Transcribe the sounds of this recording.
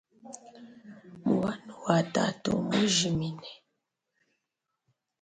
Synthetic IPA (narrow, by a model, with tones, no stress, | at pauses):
mu˨wa˦nu˨wa˨ta̰˨to̰˨mu˦ʒi˨mi˨nɛ˨